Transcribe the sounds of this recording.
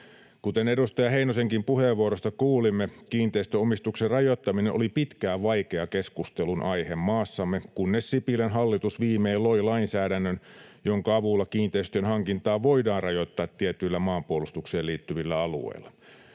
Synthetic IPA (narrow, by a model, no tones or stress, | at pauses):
kut̪enedust̪ɑjɑheinoseŋkimpuheʋːuoɾost̪ɑkuːlimːekiːnt̪eist̪øomist̪ukserrɑjot̪ːɑminenʔolipit̪kæːʋɑikeɑkeskust̪elunʔɑihemːɑːsːɑmːekunːessipilenɦɑlːit̪usʋiːmeːlːoilɑinsæːdænːønjoŋkɑɑʋulːɑkiːnt̪eist̪øønhɑŋkint̪ɑːʋoidɑːnrɑjot̪ːɑːt̪ːiet̪ylːæmɑːmpuolust̪ukseːliːt̪ːyʋilːæɑlṵḛilːɑ